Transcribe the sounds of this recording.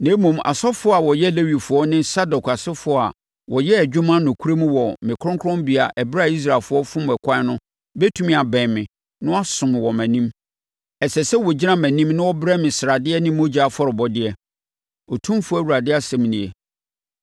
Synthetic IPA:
nẽ˨˦mũ˨ma̰˨sɔ˦fʊ˦ɔ˦a˨wɔ˨jɛ˦le˦wi˨fʊ˨ɔ˦nɪ̃˦nsa˦dɔ˨kʰa˨sɪ˦fʊ˨˦˨a̰˨ | wɔ˨jɛ˦ɛ˨d͡ʑᶣʊ˦mã˦nʊ̃˨kʰu˦ɾe˦mũ˦wɔ˨mɪ̃˨kʰʊ̃˦ŋkʰʊ˦ɾɔ̃˦mbi˨a˨ʔɛ˨bɪ˦ɾa˦˨i˦s̬ɾa˨lfʊ˨˦ɔ˦fʊ̃˦m˨ɛ˨kʷʰã˦nʊ̃˦ | be˦tʰu˦mĩ˦a˨bɛ̃˨mɪ̃˨ | nʊ̃˦a˦sʊ̃˨m˨wɔ˨mæ̃˨nĩ˦m | ɛ˨sɛ˨sɛ˦wɔ˨d͡ʑi˦nã˦mæ̃˨nĩ˦mnʊ̃˦wɔ˦bɾɛ˦mɪ̃˨sɪ˨ɾa˨dɪ˦ɛ˦nɪ̃˦mo˦d͡ʑa˨fɔ˦ɾɪ˨bɔ˦dɪ˦ɛ˦ | ɔ˨tʰũ˦mfʊ˦a˦˨wu˨ɾa˨dɪ˦a˦sɛ̃˦m˨nɪ̃˨ɛ̰˨

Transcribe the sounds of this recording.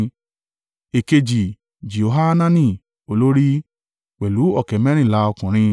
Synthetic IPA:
e˨ke˧d͡ʒi˨ | d͡ʒi˨o˨ɦa˦nã˦nĩ˦˨ | o˧lo˦ɾi˦ | k͡pɛ˨lu˨˦ɔ˦˨kɛ˨˦mɛ̃˦ɾ̃ĩ˦˨la˨˦ɔ˧kũ˨ɾ̃ĩ˧

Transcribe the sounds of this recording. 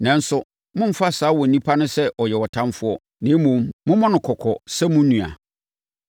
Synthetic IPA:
nɛ̃˨n̩˦sʊ˦ | mʊ̃˦m̩˦fa˦saː˨˦wɔ˨nĩ˦pʰa˦nʊ̃˦sɛ˦ʔɔ˨jɛ˨wɔ˨tʰã˦mfʊ˦ɔ˦ | nɪ̃˨˦mũ˨mmʊ̃˦mɔ̃˦nʊ̃˨kʰɔ˨kʰɔ˨sɛ˦mʊ̃˦nũ˨a̰˨

